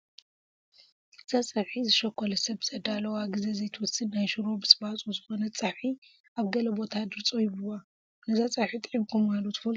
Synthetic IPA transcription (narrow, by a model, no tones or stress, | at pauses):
ʔɨz̥at͡sʼɐħizɨʃɐkʰʷːɔlɐsɐbz̥ɐd̪alɐwaɡɨzezejt̪ʰɨwɔsɨd̪najʃɨɾo̞bɨsʼɨbat͡sʼuzɨxo̞nɐt͡sʼaħi | aβɡɐlɐbo̞t̪ʰad̪ɨɾt͡sʼojbɨwa | nɐzat͡sʼaħit̪ʼʕibkʰumalot̪ʰɨfɐl